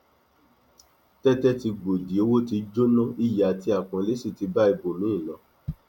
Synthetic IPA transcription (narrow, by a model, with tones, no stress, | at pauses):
tɛ˦tɛ˦ti˧ɡ͡bo˨di˨o˧˦wo˦ti˧d͡ʒo˦nɔ̃˦i˦˨ja˨ti˧˦a˨k͡pɔ̃˨le˨˦si˦˨ti˧ba˦i˧bo˨nũ˨˦ĩ˦˨nã˨˦